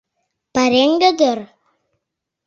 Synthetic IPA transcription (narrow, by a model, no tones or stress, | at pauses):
paɾeŋɡəd̪ər